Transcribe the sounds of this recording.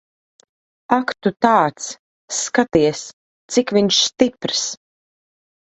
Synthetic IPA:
akt̪ut̪aːt̪sː | kat̪iɛs | t̪sikvʲiɲʃst̪ipɾs

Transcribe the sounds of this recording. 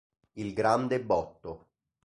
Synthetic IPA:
ilɡɾand̪ebɔt̪ːo

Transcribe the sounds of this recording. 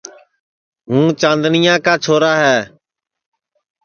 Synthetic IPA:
ɦũːt͡ʃãːnd̪nɪjãːkaːt͡ʃʰoːɾaːɦɛː

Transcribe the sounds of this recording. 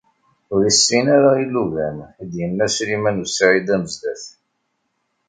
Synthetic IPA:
ʊɾisːinaɾailːuvænid̪jənːæsɾimænusʕid̪æməzd̪æθ

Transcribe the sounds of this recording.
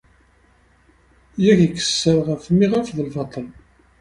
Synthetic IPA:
jæçikːə̥sːəɾʁəfmiʁafðəlfɑt̪ˤːəl

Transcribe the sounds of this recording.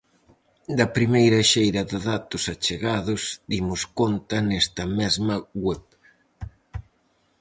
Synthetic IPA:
d̪ɐpɾimejɾɐʃejɾɐðɪðat̪ʊsɐt͡ʃeɣaðʊsd̪imʊskont̪ɐnɛst̪ɐmɛzmɐɣwɛp

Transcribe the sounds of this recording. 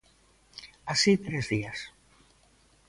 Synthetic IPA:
asit̪ɾezðias

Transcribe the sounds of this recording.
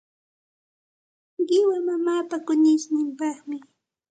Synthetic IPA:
ɢɪwamamaːpakʊnɪʃnɪmpɑχmɪ

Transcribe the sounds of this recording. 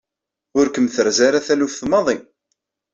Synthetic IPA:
ʊɾkəmθəɾzaɾaθælufθmɑðˤi

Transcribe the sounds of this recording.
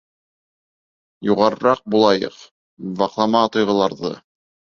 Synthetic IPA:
juʁɑɾɤ̆ɾɑq̚bulˠɑjɤ̰q | bɑqlˠɑmɑt̪ŏjʁɤ̆lˠɑɾðɤ̰

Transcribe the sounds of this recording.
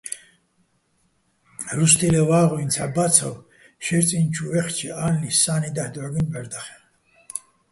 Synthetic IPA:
ɾuʃt̪ʰilɛvaːʁuint͡sʰabat͡sʰɔ̰w | ʃɛɾt͡sʼint͡ʃʰuvɛχt͡ʃʰɛaːnlisaːnid̪ahd̪ʕaɡinbɛɾd̪aχɛ̥

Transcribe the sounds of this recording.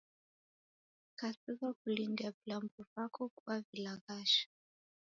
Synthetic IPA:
kasikakulindiapilambɔvakɔkuwavilaɣaʃḁ

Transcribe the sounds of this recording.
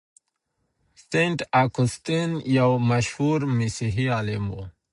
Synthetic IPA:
seɳʈakust̪injawmaʃhuɾmisiɦialimo̰

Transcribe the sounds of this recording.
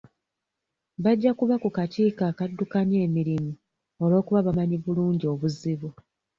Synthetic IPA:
βaɟːakuβakukatiːkaːkadːukaneːmiɾimu | olo̞ːkuβaβamaɲiβuluːɲɟio̞βuziβu

